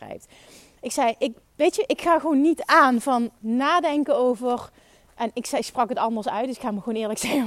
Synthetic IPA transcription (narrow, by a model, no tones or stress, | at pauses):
rɛ̰jp̚t | ɪksɛjʔɪk | ʋejtjəʔɪkxaːɣəʋonːitaːnvɑnːaːdɛŋkənowvər | ʔɛnɪksɛksprɑkɦətɑndəsœɥtdəsɪ̥kxaːməxəʋownɪːɹləksɛxə